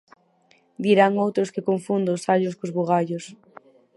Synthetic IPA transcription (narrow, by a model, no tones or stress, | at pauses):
d̪iɾaŋowt̪ɾʊskɪkoɱfund̪ʊːsaʎʊskʊzβoɣaʎʊs